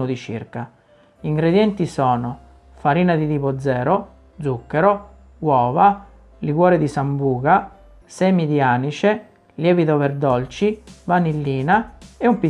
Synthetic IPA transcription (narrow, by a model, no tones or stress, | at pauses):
od̪it͡ʃḭrka | iŋɡɾed̪jɛnt̪isɔːno | faɾiːnad̪it̪iːpod̪zːɛːɾo | d̪zukːeɾo | wɔːva | liɡwɔːɾed̪isambuːɡa | sɛmid̪iaːnit͡ʃe | ljɛːvid̪overd̪ɔlt͡ʃivanilːiːnaeumpi